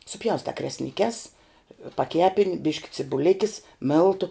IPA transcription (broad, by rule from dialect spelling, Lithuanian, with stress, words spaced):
sʊˈpʲjɛʊstɑː krʲɛsʲnʲɪˈkʲɛs pɐˈkʲæːpʲɪnʲ ˈbʲɪʃʲkʲɪ t͡sʲɪbʊˈlʲɪkʲɪs ˈmʲeːlˠtʊ